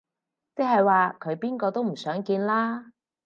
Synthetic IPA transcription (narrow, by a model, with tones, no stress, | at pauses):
t͡se˥ɦhɐ˨jwaː˨kʰɵ˨˧ɥpiː˥nkɔː˧t̪o˥wm̩˨˩sœː˨˥ŋkiː˧nlaː˥